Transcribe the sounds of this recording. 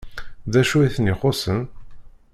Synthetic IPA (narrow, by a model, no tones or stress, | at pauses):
ðæʃuiθniχosən